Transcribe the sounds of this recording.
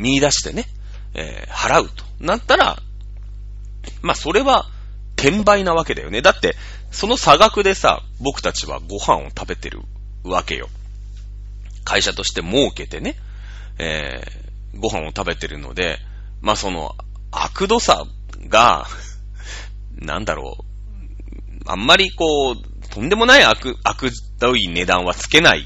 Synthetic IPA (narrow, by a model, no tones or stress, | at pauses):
mʲiid̪aɕi̥t̪e̞ne̞ | ḛː | haɾaɯ̟t̪o̞̥nat̪ːaɾa̰ | maso̞ɾe̞βa | t̪ʰẽ̞mbainaβ̞ake̞d̪a̰jo̞̰ne̞d̪at̪ːe̞ | so̞no̞saɡakɯ̟d̪e̞sa̰ | bo̞kɯ̟̥t̪at͡ɕiβa̰ɡo̞hã̰ɰ̃o̞̰t̪abe̞t̪e̞̰ɾɯ̟̰ | βake̞̰jo̞̰ | kʰaiɕat̪o̞ɕi̥t̪e̞mo̞ːɯke̞t̪e̞ne̞ | ḛː | ɡo̞ɦão̞t̪abe̞t̪e̞ɾɯ̟no̞̰d̪e̞̰ | maːso̞no̞̰ | a̰kɯ̟d̪o̞sa̰ | ɡa̰ | nã̰nd̪aɾo̰ː | ã̰mːaɾʲiko̞ː | t̪ʰõ̞nd̪e̞mo̞naiakɯakɯ̟ | d̪oine̞d̪ãɰ̃βat͡sɨ̥ke̞naḭ